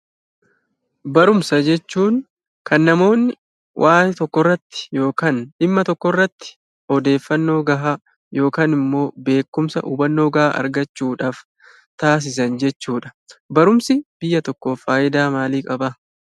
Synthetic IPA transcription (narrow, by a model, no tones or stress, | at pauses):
bɐɾʊmsɐd͡ʒɛt͡ʃːuːŋ | kɐnːɐmo̞ːnːɪ | wʔaːjɛt̪ɔkːɔrːɐt̪ːɪ̥jo̞ːkaːnᶑɪmːɐt̪ɔkːɔrːɐt̪ːɪ̥ | ɔd̪e̞ːfːɐnːo̞ːɡɐɦaː | jo̞ːkaːnɪmːo̞ːbe̞ːkːʊmsɐ̰ʔṵːbɐnːoːɡɐha̰ːʔɐ̰ɾɡɐt͡ʃːuːᶑaːf | t̪aːs̬ɪs̬ɐnd͡ʒɛt͡ʃːuːᶑɐ̥bɐɾʊmsɪb̥ɪjːɐt̪ɔkːofaːʔɪd̪aːmaːliːkʼɐbɐ